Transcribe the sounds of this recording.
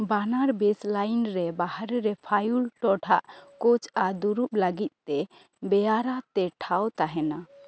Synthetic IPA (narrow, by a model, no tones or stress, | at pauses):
banaɾbeslajnɾɛbahaɾɾɛpʰajulʈɔʈʰaʔkɔt͡ʃad̪uɾup̚ləɡit̪̚ˀt̪ɛ | bɛjaɾat̪ɛʈʰawt̪aɦɛna